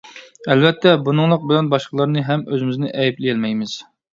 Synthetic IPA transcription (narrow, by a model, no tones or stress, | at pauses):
ɛlvɛt̪ʰːɛbunɨŋlˠəq̚bɪlɛnbɑʃqʰəlˠəɾnɨɦɛmøzɪmɪznɪʔɛjiplɪjɛlmɛjmɪz̥